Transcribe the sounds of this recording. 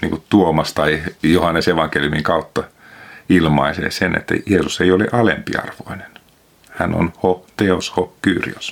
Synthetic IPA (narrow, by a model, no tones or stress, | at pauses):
niːŋkutt̪uomɑst̪ɑijohɑnːeseʋɑŋkeljumiŋkɑut̪ːɑ | ilmɑisḛːsenḛt̪ːæ̰jeːsuseiolḛʔɑlḛmpiɑ̰rʋo̰inen | hæno̰nhot̪eoshokyːrḭos